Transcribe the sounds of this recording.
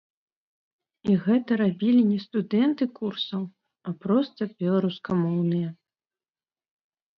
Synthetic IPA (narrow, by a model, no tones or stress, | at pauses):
iɣɛt̪ɐɾabʲilʲinʲɛst̪ud̪ɛnt̪ɨkursɐw | ɐpɾɔst̪ɐbʲɛlˠaɾuskɐmɔwnɨjɐ